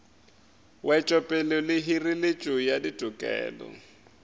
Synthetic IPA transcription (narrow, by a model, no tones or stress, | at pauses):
wʔɛt͡ʃʼɔpʼɛlʊlɪɦirilɪt͡ʃʼʊjaditʼʊkʼɛ̰ːlɔ̰